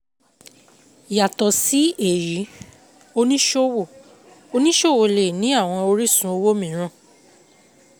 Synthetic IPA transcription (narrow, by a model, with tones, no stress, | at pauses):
ja˨tɔ˨si˦e˨ɾi˨˦ | o˧nĩ˦ʃo˦wo˦˨ | o˧nĩ˦ʃo˦˨wo˨le˨nĩ˨˦a˦˨w̃ɔ̃˧o˧ɾi˦sũ˧˦o˧wo˦mĩ˨˦ɾ̃ã˧˨